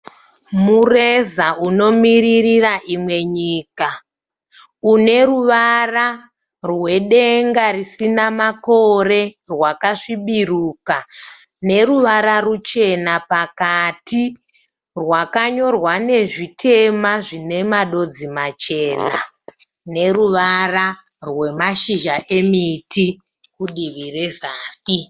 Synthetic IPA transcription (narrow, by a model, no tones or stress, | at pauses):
murezaʔuno̞miririraʔimwe̞ɲiːka | une̞ruʋara | rwe̞ɗe̞ŋɡarisinamako̞re̞ | rwakaʂiɓiruka | ne̞ɾuʋaɾarut͡ʃe̞napakati | rwakaɲo̞rwane̞ʐitʰe̞maʐine̞maɗo̞d͡zimat͡ʃe̞ːna̰ | ne̞ruʋara | rwe̞maʃiʒaʔe̞mitʰi | kuɗiʋire̞zaːsi